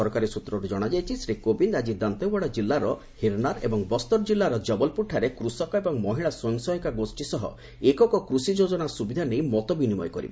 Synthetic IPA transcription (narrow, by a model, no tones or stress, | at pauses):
ɔɾkaɾisut̪ɾɔɾud͡ʒɔɽ̃ad͡ʒajt͡ʃʰisɾikobindad͡ʒid̪ant̪ɔbaɽɔd͡ʒilːaɾɔ | hiɾnaɾḛbɔŋbɔst̪ɔɾd͡ʒilːaɾɔd͡ʒɔbɔlpuʈʰːaɾekɾusɔkɔebɔŋmɔɦiɭaswɔɔŋsɔɦɔkaɡosʈisɔɦɔ̰ | ekɔkɔkɾusid͡ʒod͡ʒɔnasubid̪ʱanejmɔt̪ɔbinimɔ̰jkɔɾḭbe